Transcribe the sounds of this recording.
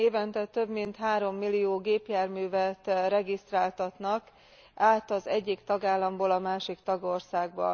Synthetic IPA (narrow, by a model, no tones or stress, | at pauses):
eːvɛnt̪ɛt̪ø̞bmint̪ɦaːɾo̞mːilːijoːɡeːpjaːrmyːvɛt̪rɛɡist̪raːlt̪ɒt̪nɒk | aːt̪ɒzɛɟːikt̪ɒɡaːlːɒmboːlɒmaːʃikt̪ɒɡo̞rsaːɡ̚bɒ̰